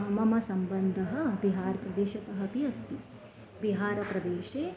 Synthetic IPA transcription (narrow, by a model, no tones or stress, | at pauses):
ɦɐmɐmɐsɐmbɐnd̪ʱɐɦɐbiɦaːɾpɾɐd̪eːʃɐt̪ɐɦɐpiɐst̪i | biɦaːɾɐpɾɐd̪eːʃeː